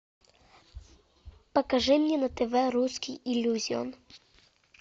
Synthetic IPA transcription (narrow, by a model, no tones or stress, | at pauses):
pɐkɐʐɨmnʲɛnɐt̪ɛvɛɾuskʲijʔilʲːuzʲiɔ̰n